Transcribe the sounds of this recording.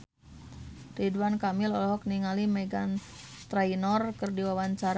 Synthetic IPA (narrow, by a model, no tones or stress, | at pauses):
riduankamɪlɔlɔɦɔk̚niŋalimɛɡant̪ɾajnɔrkərdiwawaɲt͡ʃaɾ